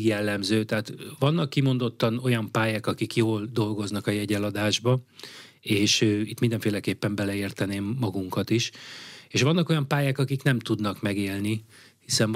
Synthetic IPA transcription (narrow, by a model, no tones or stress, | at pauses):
jɛlːɛmzøːt̪ɛɦaːt̪ʋɒnːɒkːimo̞nd̪o̞t̪ːɒno̞jɒmpaːjaːkɒkikjoːld̪o̞lɡo̞znɒkɒjɛɟɛlɒd̪aːʒbɒ | eːʃøit̪ːmind̪ɛɱfeːlɛkeːpːɛmbɛlɛeːrt̪ɛneːmːɒɡuŋkɒt̪iʃeːʃʋɒnːɒko̞jɒmpaːjaːkɒkiknɛmt̪ud̪nɒkmɛɡeːlni | hisɛɱ